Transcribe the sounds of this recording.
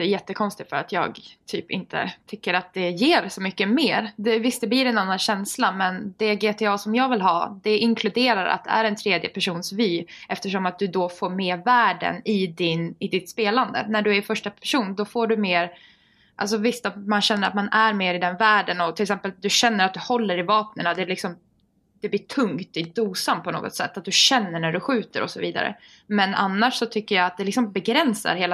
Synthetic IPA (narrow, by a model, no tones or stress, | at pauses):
æɾjɛt̪ːəkʰɔnst̪ɪt̪fœɾat̪ʰjɑ̰ːɡ̪ʰyːpɪ̰nt̪ʰə̰t̪ʰʏkːəɾat̪̚d̪ɛjeːɾsɔmʏkːəmeːɾd̪ɛvɪst̪d̪ɛbliːɾɛnanːanɕɛnslamɛnd̪ɛɡeːt̪ʰeɑːsɔmjɑːɡvɪlɦɑ̰ːd̪̥ɛɪŋkʰlɵd̪eːɾaɾa̰t̪̚d̪ɛ̰æɾɛnt̪ʰɾeːd̪jə̰pʰæʂuːnsvyːʔɛft̪əʂɔmat̪̚d̪ɵd̪ɔfoːɾmeːɾvæːɖə̰nɪd̪ɪnɪd̪ɪt̪speːland̪ə̰næɖɵæɾfœʂʈapʰæʂuːnd̪ɔfoːɖɵmeːɾ | ʔa̰ls̬ɔvɪst̪at̪manɕɛnːəɾa̰t̪manæɾmeːɾɪd̪ɛnvæːɖənɔt̪ʰɪlɛksɛmpəld̪ɵɕɛnːəɾat̪̚d̪ɵhɔlːəɾɪvɑːp̚nənad̪ɛːlɪksɔm | d̪̥ɛbliːʈʰɵŋkt̪ɪd̪uːsamt̪̚pʰɔno̰ːɡɔ̰t̪sɛ̰t̪ːat̪̚d̪ɵɕɛnːəɳæɖɵɧʉ̟ːt̪əɾɔ̰sɔviːd̪a̰ɾə̰ | mɛna̰nːaʂsɔt̪ʰʏkːəjaat̪̚d̪ɛlɪksɔmbɛɡɾɛnsa̰ɾheːla